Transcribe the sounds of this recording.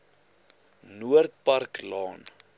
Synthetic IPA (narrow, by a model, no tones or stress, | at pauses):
nuərt̪̚pɐrklɑːn